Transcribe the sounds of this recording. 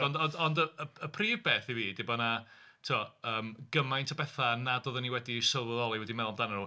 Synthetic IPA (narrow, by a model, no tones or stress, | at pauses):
ɔndɔɔndəəəpʰriːvbeːθiviːd̥ɪbɔna | tʰuɔəːmɡ̥əmajntʰabɛθanadoðəniwɛdisəlˠvəðɔlˠiwɛdimɛlˠmdananu